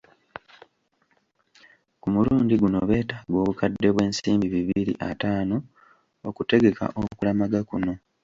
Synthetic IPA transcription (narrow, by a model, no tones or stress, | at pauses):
kumuluːndiɡuno̞βe̞ːtaːɡo̞ːβukadːe̞βwe̞ːnsiːmbiβiβiɾḭʔataːno̞ | okute̞ɡe̞ka̰ʔokulamaɡakuno̞